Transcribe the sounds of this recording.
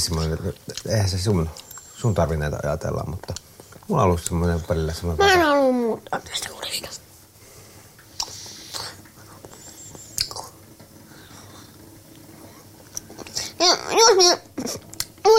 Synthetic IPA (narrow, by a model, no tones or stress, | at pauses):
semːoneneˑihænsesunsunt̪ɑrʋinːˑeˑit̪ɑ̰ɑ̰jɑ̰t̪ḛlːɑ̰mmut̪ːɑ | mulɑ̰olːussemːoneʋʋɑlilːɑsemːonemæenolːummuːt̪ːˑɑt̪ːest̪æ̥kulii̥k̪ɑ̥ | jojosmi | u